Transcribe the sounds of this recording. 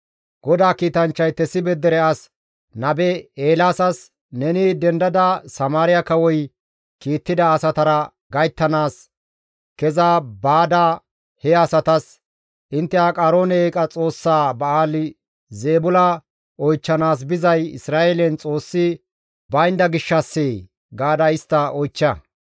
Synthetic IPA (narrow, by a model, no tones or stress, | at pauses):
ɡ̥ɔd̪aːkiːt̪ɐnt͡ʃːɐjt̪ɛsɪbɛd̪ɛɾɛɐs | nɐbɛeːlaːsɐs | nɛnɪd̪ɛnd̪ɐd̪ɐsɐmaːɾɪjɐkɐwɔj | kiːt̪ːɪd̪ɐːsɐt̪ɐɾɐ | ɡɐjt̪ːɐnaːs | kɛzabaːd̪aː | hɛɐsɐt̪ɐs | ʔɪnt̪ːɛakʼaːɾo̞ːnɛeːkʼɐt͡sʼo̞ːsːaːbɐaːlɪ | zeːbʊlɐ | ɔjt͡ʃːɐnaːs̬bɪzɐjɪ̰sɾaːeːlɛnt͡sʼo̞ːsːɪ | bɐjnd̪ɐɡɪʃːɐsːeː | ɡaːd̪ɐɪst̪ːɐɔjt͡ʃːɐ